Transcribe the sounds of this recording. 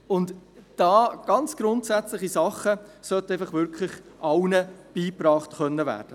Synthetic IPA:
ʊndd̥ɑːɡ̥ɑnt͡sɡ̥ɾʊntsæt͡slɪχisɑχəsœt̪əɛɪfɑχvʏɾkʰlɪχʔɑʊnəb̥iːpɾɑːχtχœnːəvæ̰ːɾd̥ə

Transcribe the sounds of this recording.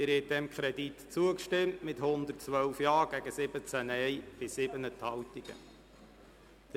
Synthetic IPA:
ɪɾhɛt̚d̥̪ɛmkʰχɾɛditt͡suəkʃtɪmtmɪthʊnd̪ərtt͡sʋœwfjɑːɡ̥æɡəsɪbət͡sænɛjb̥ɪsɪbənət̪hɑwtiɡ̥ə̰ | d̥ə

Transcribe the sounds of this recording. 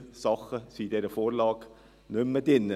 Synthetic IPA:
sɑχəsiːd̪ɛɾəfoːɾlɑːɡ | nʉmədɪnə

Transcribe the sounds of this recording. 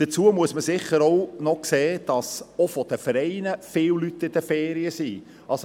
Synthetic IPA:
d̪̥ət͡suəmuəsməsɪχəɾownɔkseːd̥ɑsofɔd̥əfəɾɛɪnəfɪːwlyt̪ːɪd̥̪əfɛːɾiəsiː | ʔɑls

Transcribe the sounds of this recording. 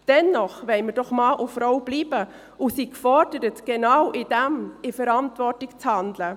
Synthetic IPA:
d̥ɛnːɔχʋɛɪməɾd̥ɔχmɑːʔufɾɔwb̥liːbə | usikfɔɾd̥əɾətɡ̥enɑwʔɪd̥æmɪfəɾɑntvɔrtɪkt͡shɑndlə

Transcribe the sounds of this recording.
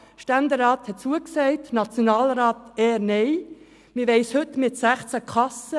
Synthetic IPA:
ʃtændəɾɑːthɛt̚t͡suəksɛɪtnɑt͡sjonɑːlɾaːtɛːɾnɛɪ | mɪʋɛɪshɵtmɪtsæχt͡sækʰɑsə

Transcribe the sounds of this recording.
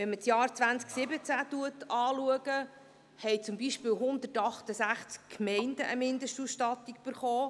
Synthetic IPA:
ʋɛnməsjɑːɾt͡sʋænt͡sksɪbət͡sætuətʰɑːluəɡə | hɛjt͡sʊmbiʃpɪːwɦʊnd̪ətɑχt̪əsæχt͡skkmɛɪndəʔəmɪndəʃtusʃtɑtikb̥əɾχɔː

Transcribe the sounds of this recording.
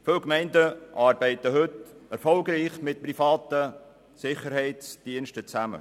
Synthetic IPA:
fɪlkmɛɪndəʔɑːɾbɛɪtəɦɵtɛɾfɔlɡɾiːχmɪt̚prifɑːtə | sɪχəɾhɛɪt͡sd̥iənʃtət͡sæmə̰

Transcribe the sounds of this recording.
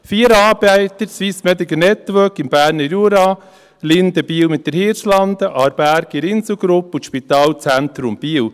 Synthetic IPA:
fiːəɾɑːɾbæɪt̪əɾsʋismɛd̪iɡənɛt̪ʋœkɪmbæːɾnəɾjuɾɑː | lɪnd̪əb̥iːəwmɪt̚d̥əɾhɪːɾslɑnd̪əʔɑɾbæɾɡɪɾɪnsəɡɾʊpuʃpit̪ɑːlt͡sænt̪ɾʊmb̥iːw

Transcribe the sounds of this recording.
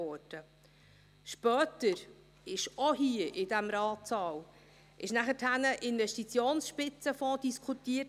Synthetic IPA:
ɔːɾd̥ə | ʃpœːtəɾ | ɪʃɔɦiəʔɪdæmɾɑːtsɑːw | ʔɪʃnæχəthænəʔɪnvɛʃtit͡sjoːnsʃpɪt͡səfɔ̃ːd̥iskʰχutiːə

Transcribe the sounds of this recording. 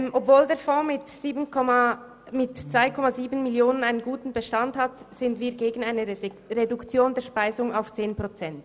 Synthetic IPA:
ʔɔpvoːldeːɐfɔ̃ːmɪtz̥iːbnkʰɔ | mɪtt͡sv̥aɪkʰɔmaziːbn̩mɪljoːnənaɪnənɡuːtn̩bəʃtanthatz̥ɪndviːɐɡeːɡn̩aɪnəʁedʊkt͡sjoːndeɛːʃpaɪzʊŋaʊft͡seːnpʁ̥ot͡sɛnt

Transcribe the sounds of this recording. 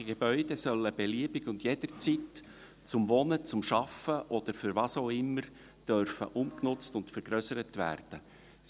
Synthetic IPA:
iɡ̥ebœʏd̥ɛsœləb̥eliəbɪɡʊndjɛd̥əɾt͡sit | t͡sʊmvɔnət͡sʊmʃɑfəʔɔd̥̪əɾfʏɾʋɑːsoʊɪmːəɾ | d̥œɾfə̰ʔʊmknʊt͡stʊntfəɾɡ̥ɾœsəɾətʋæ̰ːrd̥ə

